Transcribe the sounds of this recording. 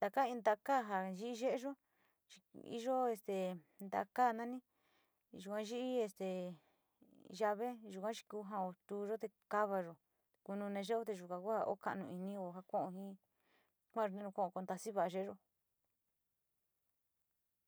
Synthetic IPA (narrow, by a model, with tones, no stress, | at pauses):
t̪a˨ka˦ĩ˧nd̪a˧ka˦˨ɦa˧˨ʒi˦ʔi˦ʒe˦ʔe˦ʒo˦ | t͡ʃi̥˧ḭ˦ʒo˦e˧st̪e˨ | nd̪a̰˧ka˦˨nã˦nĩ˦ | ʒu˨kʷã˧˦ʒi˦ʔi˦e˧st̪e˨ | ʒa˧βe˦ʒu˨kʷã˦t͡ʃi̥˧kuː˧˦ɦã˧o˧t̪uː˧ʒo˦t̪e˧ka˦βa˧ʒo˨ | ku˧nũ˧nẽ˧ʒe˦o˦t̪e˧ʒu˨kã˧kʷha˧ʔo̰˦ka̰˧nũ˧i˧nĩ˧o˧ɦa˧kõ˦ʔõ˧ɦĩ˦ | kʷã˦˧ʒo˧nẽ˦ũ˧kõ˦˨˧ko˧nd̪a˧si˦βa˧˨a˧ʒe˦ʒo˧